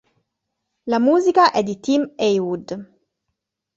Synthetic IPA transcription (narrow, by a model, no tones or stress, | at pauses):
lamuːzikaʔɛd̪it̪imejwud̪